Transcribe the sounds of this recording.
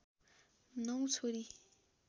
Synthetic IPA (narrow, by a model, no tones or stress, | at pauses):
nʌw̃t͡sʰoɾi